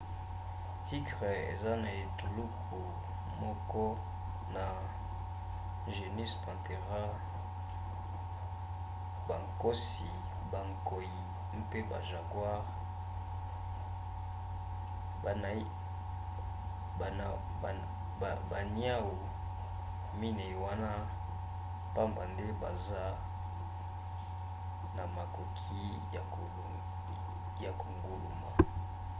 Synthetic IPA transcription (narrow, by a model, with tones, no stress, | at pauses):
ti˦tʁɛ˨ḛ˨za˦na˨e˨tu˨lu˦kʰ | o˨ | mɔ˦kɔ˦ | na˨ | ʒe˨ni˦spã˨te˨ʁa˦ | ba˨ŋko˦si˨ | ba˨ŋko˨ji˨ | m̩˦pe˦ba̰˨ʒa˨kwa˦ʁ | n˨˦˨ | ba˨ni˦a˦wu˨ | mi˦ne˨i˨wa˦na˦ | pa˦mba˨nde˦ba˨za˦ | na˨ma˨ko˨kʰi˦ | ja˨ko˨ | ja˨ko˨ŋɡo˨lṵ˨ma˨